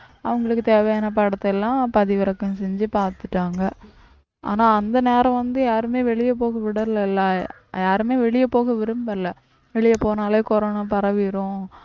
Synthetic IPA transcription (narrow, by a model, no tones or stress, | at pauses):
ɐʋɐŋɡɐɭɯkːɯt̪eːʋɐjɐnɐp̬ɐɽɐt̪ːɛlːãːpɐðɪʋɐɾɐkːɐ̃nsɛɲd͡ʒɯpaːɾt̪ɯ̥ʈːaːŋɡɐ | ʔa̰ːnaːɐnd̪ɐneːɾɐ̃ʋɐnd̪ɯjaːɾɯmeːʋɛɭɪjɐpoːɣɐʋɪɽɐɾlɐɪlːa | jaːɾɯmeːʋɛɭɪjɐpoːɣɐʋɪɾɯmbɐɾlɐ | ʋɛɭɪjɐpoːnaːleːkɔɾoːnaːpɐɾɐʋɪɾʊ̃